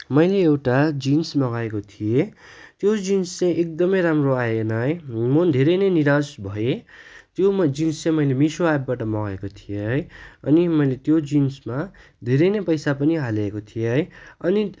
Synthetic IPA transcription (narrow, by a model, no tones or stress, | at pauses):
mʌjleːwʈad͡zinsmʌɡaekot̪ʰije | t̪jod͡zinst͡sãjʔek̚d̪ʌmʌjɾamroajenʌjmond̪ʱeɾʌjnʌjniɾasbʱʌet̪jomʌd͡zinst͡sãj̃mʌjlemisoajbbaʈʌmʌɡaekot̪ʰijeɦʌjʌnimʌjlet̪jod͡zinsma | d̪ʱeɾʌjnʌpʌjsapʌniɦalaekot̪ʰijeɦʌjʌni